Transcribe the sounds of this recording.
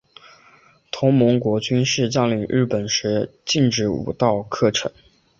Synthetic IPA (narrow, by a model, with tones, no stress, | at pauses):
t̪ʰʊ˧˥ŋmʊ˧˥ŋkwɔ˧˥t͡ɕy˥nʂɻ̩˥˧t͡ɕa˥˩li˨˩ɻɻ̩˥˩pə˨˩nʂɻ̩˧˥t͡ɕi˥˧ŋʈ͡ʂɻ̩˥˩ṵ˨˩t̪ɑ˥˧ʊkʰɤ˥˩ʈ͡ʂʰɤ̰˧˥ŋ